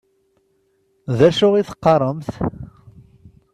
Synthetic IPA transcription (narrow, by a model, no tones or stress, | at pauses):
ðæʃʊʁiθə̥qːɑɾˤəmθ